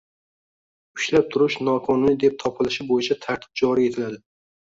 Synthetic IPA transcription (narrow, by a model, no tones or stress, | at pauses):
ʊʃlap̚t̪ʰʊɾɪʃnɒqʰɒnʊnɪd̪ep̚t̪ʰɒpʰɪlɪʃɪbojɪt͡ʃʰat̪ʰaɾt̪ʰɪ̥p̚d͡ʒɒɾie̞t̪ʰɪlad̪ɪ